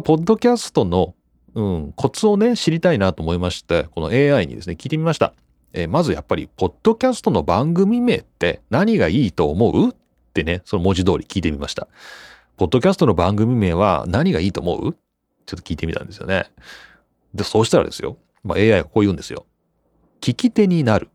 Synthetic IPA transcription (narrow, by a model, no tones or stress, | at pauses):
po̞d̪ːo̞kʲasɨ̥t̪o̞no̞ | ɯ̟̃kʰo̞t͡sɨo̞ne̞ɕiɾʲit̪ainat̪oːmo̞imaɕi̥t̪e̞ko̞no̞̰e̞ːaiɲ̟ḭd̪e̞sɨne̞kʲiːt̪e̞mʲimaɕi̥t̪a̰ | eːmazɨjapːaɾʲḭpo̞d̪̥ːo̞kʲasɨ̥t̪o̞no̞bãŋɡɯ̟mʲime̞̰ːt̪ːe̞̰naɲ̟iɡaiːt̪o̞ːmo̞ɯ̟ː | e̞ne̞so̞nomo̞ʑid̪o̞ːɾʲikʲiːt̪e̞mʲimaɕi̥t̪a | po̞d̪ːo̞kʲasɨ̥t̪ono̞bãŋɡɯ̟mʲime̞ːβ̞a̰naɲ̟iɡaiːt̪o̞ːmo̞̰ɯ̟̰ | t͡ɕot̪ːo̥kʲiːt̪e̞mʲit̪ã̰nd̪e̞sɨjo̞̰ne̞̰ | d̪eso̞ːɕi̥t̪aɾa̰d̪e̞sɨjo̞̰ | ma̰e̞ːaiβako̞ːjɯ̟̃ːnd̪e̞sɨjo̞̰ | kʲikʲit̪e̞ɲ̟inaɾɯ̟